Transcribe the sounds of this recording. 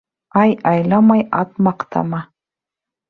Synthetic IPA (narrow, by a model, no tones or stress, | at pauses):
ɑjɑjlˠɑmɑjɑ̰t̪mɑqt̪ɑ̰mɑ